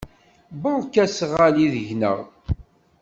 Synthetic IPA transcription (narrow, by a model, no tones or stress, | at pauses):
bəkːæsʁaliðəʝnə̰ʁ